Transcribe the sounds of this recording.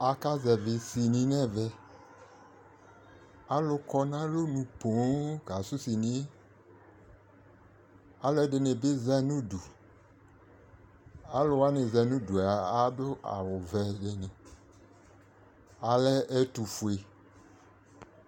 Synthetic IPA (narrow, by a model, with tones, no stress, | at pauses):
a˨ka˦zɛ˨vɪ˨si˨nĩ˨nɛ˦vɛ˦ | a˦lʊ˨kɔ˦nã˦lo˦nũ˨põ˨˦ɡa˨su˦si˨nĩ˦ | a˦lʊ˦ɛ˦dɪ˨ne˨be˦zɛ˦nũ˦du˨ | a˦lʊ˨wa˦ne˨zɛ˨nũ˦du˨a˨a˦dʊ˦a̰˨wʊ˨vɛ˨de˨nẽ˨ | a˨lɛ˦ɛ˦tu˨fu˨e˨